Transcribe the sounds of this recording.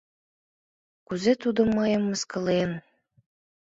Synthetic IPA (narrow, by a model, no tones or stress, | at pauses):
kuzet̪ud̪ŏmːɤjəmːəskɤ̆len